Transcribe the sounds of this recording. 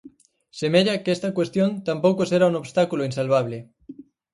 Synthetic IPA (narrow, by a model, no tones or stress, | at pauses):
semeʎakest̪ɐkwest̪jont̪ampowkoseɾauŋoβst̪akuloinsalβ̞aβ̞lɪ